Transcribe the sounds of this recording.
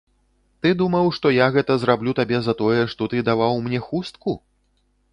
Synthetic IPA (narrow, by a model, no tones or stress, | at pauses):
t̪ɨd̪umɐwʂt̪ɔjaɣɛt̪ɐzɾablʲut̪abʲɛzɐt̪ɔjɛʂt̪ɔt̪ɨd̪avawmnʲɛxust̪ku